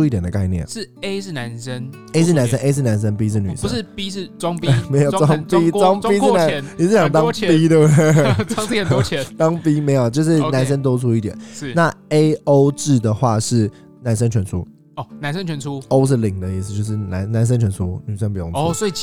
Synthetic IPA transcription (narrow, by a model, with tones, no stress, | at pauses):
u˥i˥˩t̪jɛ˨˩d̪ə˩ka˥˧ɪnjɛ̰˥˩nʂɻ̩˥˩e˦˥ɪʂɻ̩˥˩na˧˦nsə˥n | e˥ɪʂ̬̩˥˩˨na˧˦ns̬ə˦nʔe˥ɪʂɻ̩˥˩na˧˥nʂ̬ə˧˦npi˥ʂ̬ɻ̩˥˩ny˨˩ʂu˧˦ʂ̩˥˩pi˥ʂɻ̩˥˩ʈ͡ʂwŋpi˦˨˩me˧˥ɪjo˨˩˧wɑ˥ŋpi˦˥t͡swɑ˥ŋpi˥ʂ̩˥˨˩na˧˦nni˨˩ʂɻ̩˥˩jɑ˨˩ŋt̪ɑ˥˦˥ŋ˦pi˥t̪ə˥˩bɑ˥ŋpi˥ə˨n˥t͡ɕʰjɛ˧˦t̪ɑ˦ŋpi˦me˧˥ɪjo˨˩ʊt͡ɕjo˥˧ʊʂ̬ɻ̩˥˩na˧˦nʂ̬ə˥nt̪̬o˥ʊt͡sʰu˥i˥˩t̪jɛ˨˩˦n˥˩na˥˨e˥ɪo˥ʊʈ͡ʂɻ̩˥˩d̪ə˩xwa˥˧ʂɻ̩˥˩ | na˧˥nʂə˥nt͡ɕʰɥɛ˧˥nt͡sʰu˦ | ɔ˥˩na˧˦nsə˦nt͡ɕʰɥɛ˧nt͡sʰu˦o˥ʊʂ̬ɻ̩˥˩li˨˩ŋd̪ə˦i˥˩s̬̩˨˧t͡ɕjo˥˧ʊʂ̬̩˥˩na˧˦nna˧˦˥ns̬ə˥nt͡ɕʰɥɛ˧˥nt͡sʰu˥ny˨˩ʂə˦npu˨˩jo˧˥˩ŋʰ˨swi˨˩